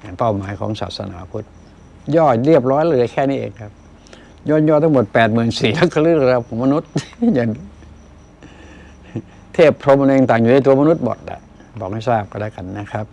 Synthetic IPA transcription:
ja˨˩ŋpa˥˩wmaː˨˩˦jkʰɔ̰ː˨˩˦ŋsa̰ː˨˩t̪̚sa̰˧naː˩˦kʰu˦˥t̪̚ | jɔː˥˩t̪ɾi˥˩əp̬̚ɾɔː˦˥jlɤː˧˩a˧˩jkʰɛː˥˩niː˦˥˩ʔḛː˧ŋkʰa˦˥p̚ | jɔː˥˩n̚jɔː˥˩t̪ʰa˧˥ŋmo˨˩t̪̚pɛː˨˩t̪̚mɯː˨˩nsiː˨˩la˦˥kʰːa˧lɯː˥˩˧ɾa˧kʰɔː˨˦ma˧nu˦˥t̪̚ja˨˩ŋ | t̪ʰeː˥˩pʰɾo˧ma˧u˧e˧ŋt̪aː˨˩ŋjuː˨na˧˥˩t̪u˧ɐma˧nu˦˥t̪̚bo̰˨˩t̪̚la̰˨˧˩ | bɔː˨˩k̚ha˥˩jsaː˥˩p̚ka˧nlɛː˦˥˩ka˧nːa˦˥kʰa˦˥p̚

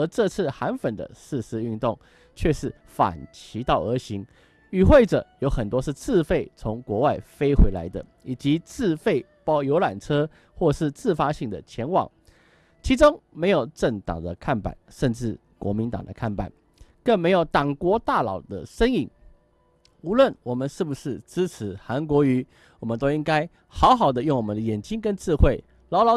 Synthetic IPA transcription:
ə˧˥ʈ͡ʂɤ˥˧t͡sʰɹ̩˥˩xa˧˥nfə˨˩nd̪ə̰˦ʂɻ̩˥˧ʂɹ̩˧y˥˧nt̪ʊ˥˩ŋ | t͡ɕʰɥɛ˥˧ʂɻ̩˥˩ | fa̰˨˩nt͡ɕʰi˧˥t̪ɑ˥˩ʊə˧˥ɕi˧˥ŋ | y˨˩xwe˥˩ɪʈ͡ʂɤ˨˩jo˧˥ʊxə˨˩nt̪wɔ˥ʂɻ̩˥˧t͡sʰɹ̩˥˧fe˥˩ɪt͡sʰʊ˧˥ŋkwɔ˧˥wa˥˩ɪfe˥ɪxwe˧˥ɪla̰˧˥ɪd̪ə˧ | i˨˩t͡ɕi˧˥t͡sɹ̩˥˧fe˥˩ɪpɑ˥ʊjo˧˥ʊla˨˩nʈ͡ʂʰɤ˥ | xwɔ˥˧ʂɻ̩˥˧t͡sɹ̩˥˩fa˥ɕi˥˩ŋd̪ə̰˩t͡ɕʰjɛ˧˥nwɑ̰˨˩˦ŋ | t͡ɕʰi˧˥ʈ͡ʂʊ˥ŋme˧˥ɪjo˨˩ʊʈ͡ʂə˥˩ŋt̪ɑ̰˨˩ŋd̪ə˦kʰa˥˩npa̰˨˩nʂə˥˧nʈ͡ʂɻ̩˥˩ | kwɔ̰˧˥mi˧˥nt̪ɑ̰˨˩ŋd̪ə̰˦kʰa˥˩npa̰˨˩˦n | kə˥˩nme˧˥ɪjo˨˩ʊt̪ɑ˨˩ŋkwɔ˧˥t̪a˥˩lɑ̰˨˩ʊd̪ə̰˦ʂə˥ŋi˥˩ŋ | u˧˥lwə˥˩nwɔ˨˩mə˨˦nʂɻ̩˥˩bu˩ʂɻ̩˥˩ʈ͡ʂɻ̩˥t͡s̩ʰ˧˥˦xa˧˥nk̬wɔ˧˥y˧˥ | wɔ˨˩mə˨˦nt̪̬o˥i˥ŋka˥ɪ | xɑ˧˥ʊxɑ˨˩ʊd̪ə˦jŋwɔ˨˩mə˦nd̪ə˦jɛ˨˩nt͡ɕi˥ŋkə˥nt͡sɻ̩˥˧xwe˥˩ɪ | lɑ˧˥ʊlɑ˧˥

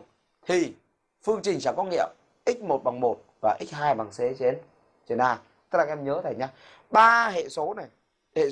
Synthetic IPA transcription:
t̪ʰi˨˩ | fɨ˧əŋt͡ɕï˨˩ŋ̟t͡ɕa̰ː˧˩kɔ˧˦ŋḭ˧˨əm | ʔi̟˦˥mo˨˩t̚ɓa˨˩ŋmo˨˩t̚vaː˨˩ʔi˦˥k̚haː˧jɓa˨˩ŋse˨˦t͡ɕe˨˦n | t͡ɕe˨˧˩naː˧˩ | t̪ə˦˥la˨˩˧mɲəː˨˦t̪ʰa˨˩ɲaː˧ | ɓaː˧hḛ˧˨so˨˦na˨˩j | hḛ˧˨

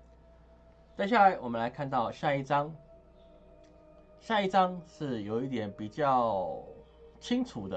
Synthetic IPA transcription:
t͡sa˥˧ɪɕ̬ja˥˩la˧˥˦ɪwɔ˨mə˦nla˧ɪkʰa˥˧nt̪ɑ˥˨ʊɕja˥˧i˥˩ɑ˥ŋ | ɕja˥˧i˥˩ʈ͡ʂɑ˦ŋʂɻ̩˥˩jo˨˩ʊi˥˩t̪jɛ˨˩npi˨˩t͡ɕjɑ˥˨˩ʊ | t͡ɕʰi˥ŋʈ͡ʂʰu˨˩d̪ə˦

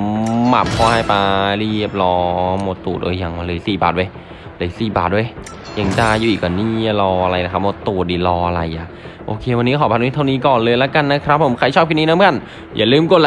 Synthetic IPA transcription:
ma̰˨˩p̚kʰɔ˧˥˨jpa˧li˧˩əp̚lɔː˧mo˧˩t̪ːuː˨˩t̪ʔo̰ː˧ja˨˧˩ŋlɤː˧˩jsiː˨˩baː˨˩t̪̚wa˧j | lɤː˨˧˩jsiː˨˩ba̰ː˨˩t̪̚wa˧˩j | ja˧˩ŋdaː˧˩juː˧˩ʔiː˨˩kɔ˨˧˩niː˧˥˩lɔː˧ʔa˧ɾa˧jna˧˦kʰa˦˥p̚moː˧˥t̪ːuː˨˩t̪̚diː˨˩lɔː˧ʔa˧ɾa˧jʔa˨˩ | ʔoː˧kʰeː˧wa˧nːiː˦˥kʰɔː˨˩pʰa˧nwːt̪ʰa˥˩niː˦˥kɔː˨˩nlɤː˧jlɛ˦˥ka˧nːa˦˥kʰɾa˦˥pʰːo˨˩˦mkʰa˧˩jt͡ɕʰɔː˥˩p̚kʰi˧˥˩niː˥na˦˥ma˧˨n | jaː˨˩lɯː˥˩˨mko˨˩t̚l

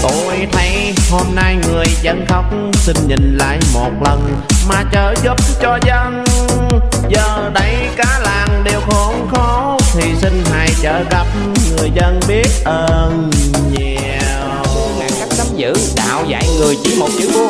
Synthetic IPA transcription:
t̪o˧˨˩jt̪ʰə˨˦j | ho˧mna˧jŋɨ˨˩əjzə˧nxə˦wŋ͡msi˧ŋɲï˨˩ŋ̟la̰ː˧˨jmo˨˩t̚lə˨˩n | maː˨˩t͡ɕəː˧˩zu˦˥p̚t͡ɕɔ˧zə˧n | zəː˨˩ɗə˨˦j | kaː˨˦laː˨˩ŋɗe˨˩wxo˧˦nxɔ˨˦ | t̪ʰi˨˩si˧ŋ̟ɦa̰ː˧˨jt͡ɕəː˧˩ɣa˨˩p̚ | ŋɨ˨˩əjzə˧nɓi˦˥ət̚ʔəː˧nɲɛ˧˩˧ | ŋaː˨˩ŋka˦˥k̚sa˨˦mzɨ̰˧˥ɗa̰ː˧˨wza̰ː˧˨jŋɨ˨˩əjt͡ɕi˧˩˦mo˨˩t̚t͡ɕɨ˨˦˧

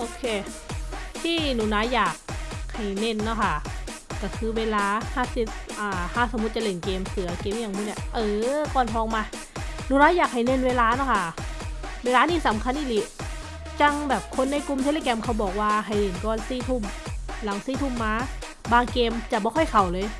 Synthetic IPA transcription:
ʔoː˧kʰeː˧ | t̪ʰiː˥˩nuː˨˩naː˧˥jaː˨˩k̚ha˨˩jne˧˩˨nːa˧˩kʰa˥˩ | ka˧˩kʰɯː˧weː˧laː˧˥haː˥˩si˨˩t̪̚ʔaː˨˩haː˧˥˩so˨˦mu˧˦t̪̚t͡ɕa˨le˨˧˩nkeː˧msɯ˨˩˦ɐ˦keː˧m˧jaː˨˩ŋmː˧˦ni˧˥˩ʔɤː˧˩kɔː˧˩nɦɔː˧ŋmaː˧ | nuː˧˦naː˧˥jaː˨˩k̚ha˨˩jne˧˨nweː˧laː˧˥na˧˩kʰa˧˥˩ | weː˧laː˧niː˥˩˨sa˨˦mkʰa˧˥nʔi˧˥˩li˧˦˥ | t͡ɕa˧ŋbɛː˨˩p̚kʰo˧nːa˧jku˧mt̪ʰe˧leː˧kɛ˧mkʰa˧˩wbɔː˨˩k̚waː˧ɦa˨˩jle˨˩˦nkɔː˧˩˨nsiː˧˩t̪ʰu˧˩mla˨˦ŋsiː˧˥˩t̪ʰu˧˥˩mːaː˧˥ | baː˧ŋkeː˧mt͡ɕa˨˩bɔː˧˦˧xʰɔ˥˩jkʰa˨˩wlɤː˧j

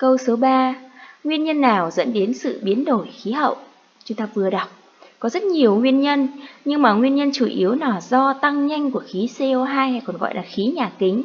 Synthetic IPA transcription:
kə˧wso˨˦ɓaː˧ŋwi˧ənɲə˧nːaː˨˩wzə̰˧˥nɗe˨˦nsɨ̰˧˨ɓi˨˦ənɗo˧˩jxi˨˦ɦə̰˧˨wʔ | t͡ɕu˧˩t̪ə˨˩p̚vɨ˨˩əɗa˨˩wk͡p̚ | kɔ˨˦zə˦˥t̚ɲi˨˩əwŋwi˧ənɲə˧nɲɨ˧ŋmaː˨˩ŋwi˧ənɲə˧nt͡ɕu˧˩ʔi˨˦əwnɔ˧˩zɔ˧t̪a˧ŋɲa˧jŋ̟ku˧˩əxi˨˦se˧o˧ɦaː˧jha˧jkɔ˨˩nɣɔ̰˧˨jlaː˨˩xi˨˦ɲaː˨˩kï˨˦ŋ̟

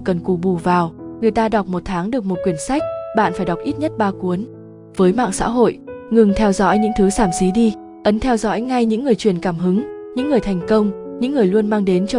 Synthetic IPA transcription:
kə˨˩nku˨˩ɓu˧˩vaː˨˩wŋɨ˨˩əjt̪aː˧ɗa˨˩wk͡p̚mo˨˩t̚t̪ʰaː˨˦ŋɗɨ˨˩ək̚mo˨˩t̚kwi˧˩ənsa˦˥jk̟̚ɓa̰ː˧˨nfaː˧˩jɗa˨˩wk͡p̚ʔi˦˥t̚ɲə˦˥t̚ɓaː˧ku˨˦ən | vəː˨˦jma̰ː˧˨ŋsa̰ː˧˥ɦo̰˧˨jŋɨ˨˩ŋt̪ʰɛ˧wzɔ̰˧˥jɲɨ̰˧˥ŋt̪ʰɨ˨˦saː˧˩msi˨˦ɗi˧ | ʔə˨˦nt̪ʰɛ˧wzɔ̰˧˥jŋa˧jɲɨ̰˧˥ŋːɨ˨˩əjt͡ɕwi˧˩ənkaː˧˩mɦɨ˨˦ŋɲɨ̰˧˥ŋːɨ˨˩əjt̪ʰɛ˨˩jŋ̟kə˧wŋ͡mɲɨ̰˧˥ŋːɨ˨˩əjlu˧ənmaː˧ŋɗe˨˦nt͡ɕɔ˧

